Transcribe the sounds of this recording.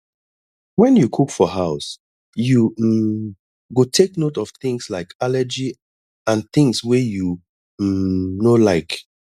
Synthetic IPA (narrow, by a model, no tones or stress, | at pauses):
wɛ̃njukʰukfɔɦaʊs | ju | ɡotʰeknotɔv̥θɪ̃ŋslaɪkalɛd͡ʒi | ãnθɪ̃ŋswɛju | nolaɪk